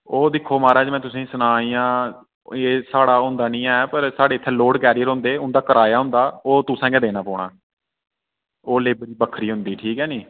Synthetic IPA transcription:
oːd̪ɪkʰːoːmaːɾɛːd͡ʒmɛ̃ːt̪ʊsĩːsʊnaːiːjãː | eːsaːɽaːɦʊ̃nd̪aːnĩːɛːpəɾsaːɖeːɪt̪ʰːɛːloːɽkɛːɾijəɾɦõːnd̪eːʊ̃nd̪aːkəɾaːjaːɦʊ̃nd̪aːoːt̪ʊsãːɡɛːd̪eːnaːpɔːɳaː | oːleːbəɾiːbəkʰːɾiːɦʊ̃nd̪iːʈʰiːkɛːnĩː

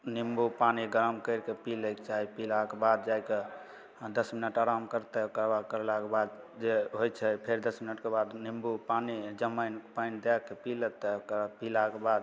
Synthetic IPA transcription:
nimbupaniɡəɾəmkəɪɾkepiləkt͡ʃaɦipilakebad̪̚d͡ʒajke | d̪əsminəʈaɾamkəɾt̪ɛkəɾbakəɾelakebad̪ | d͡ʒeɦojt͡ʃʰɛpʰeɾd̪əsminəʈkebad̪nimbupanid͡ʒəməjnpajnd̪ɛkːepilət̪ɛkpilakebad̪

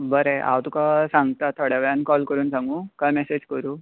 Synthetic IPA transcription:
bəɾeʔa̰wt̪ukasãŋɡt̪at̪ʰoɽjaʋɭankɔlkəɾuːnsãŋɡũːkajmɛsed͡ʑkəɾuː

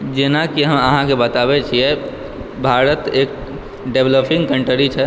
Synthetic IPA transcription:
d͡ʒenakiɦəməɦãkebət̪aβɛt͡ʃʰijɛ | bʱaɾət̪eːk̚ | ɖebləpʰĩŋɡkəɳʈəɾit͡ʃʰɛ

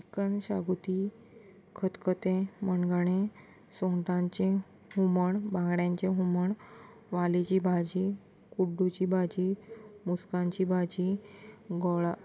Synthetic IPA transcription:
ikənɕa̰ɡut̪i | kʰət̪kət̪ẽmənɡaɳ̃ẽ | sõɳʈãɲt͡ɕẽ | ɦuməɳbãŋɡɽjãɲt͡ɕẽɦuməɳ | ʋalit͡ɕibʱad͡ʑi | kuɖut͡ɕiːbʱad͡ʑimuskãɲt͡ɕibʱad͡ʑi | ɡɔɭa

